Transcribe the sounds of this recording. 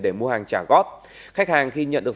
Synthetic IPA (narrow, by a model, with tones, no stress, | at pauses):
ɗe˧˩mu˧əhaː˨˩ŋt͡ɕaː˧˩ɣɔ˦˥t̚ | xa˦˥k̚haː˨˩ŋxi˧ɲə̰˧˨nɗɨ˨ə˩